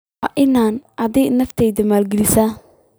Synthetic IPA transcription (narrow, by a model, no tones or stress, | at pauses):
wɑːʔɪnaːnʔɐðɛːʔnɐft̪ʰɛjdɐmaːlɡɛlɪsaː